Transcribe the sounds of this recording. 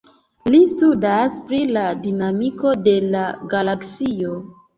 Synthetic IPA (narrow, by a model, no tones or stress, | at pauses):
listudaspɾiladinamiko̞de̞laɡalaksio̞